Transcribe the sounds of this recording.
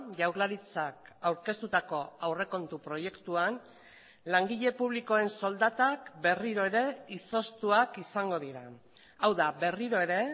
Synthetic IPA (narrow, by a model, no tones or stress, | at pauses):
ʝawɾlaɾit͡sakawɾke̞st̪ut̪ako̞awre̞ko̞nt̪upɾo̞je̞kt̪uan | laŋɡiʎe̞puβliko̞e̞nso̞ld̪at̪akbe̞riɾo̞eɾe̞iso̞st̪uakisaŋɡo̞ð̞iɾa | awðabe̞riɾo̞e̞ɾe̞